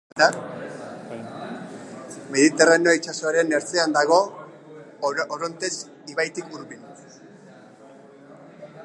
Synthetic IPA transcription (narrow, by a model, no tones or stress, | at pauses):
a | me̞ðit̪e̞ranjoit͡ʃaso̞aɾe̞neɾt͡se̞and̪aɣ̞o̞ | oɾo̞nt̪es | iβajt̪ikuɾβin